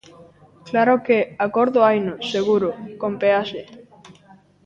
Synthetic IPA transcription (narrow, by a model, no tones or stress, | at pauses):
klaɾokeakoɾðoajnoseɣuɾokompease